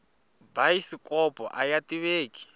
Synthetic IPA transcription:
baisikʼɔpʼɔ̰ʔajatʼiβeːki̥

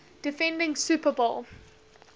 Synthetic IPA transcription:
d̥ɪfɛ̃ndɪ̃ŋsuːpəbolˠ

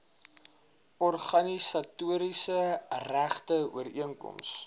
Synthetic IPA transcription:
ɔrχɐnisɐtuəɾisəræχtəṵəɾiəŋkɔ̰ms

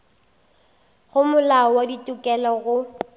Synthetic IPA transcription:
ɣʊmʊlaɔwaditʼʊkʼɛlɔɣʊ

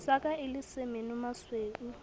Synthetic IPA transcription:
sakʼaɪlɪsɪmɪnʊmasweːku

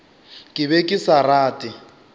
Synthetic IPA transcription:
kʼɪβekʼɪsaraːtʼɪ

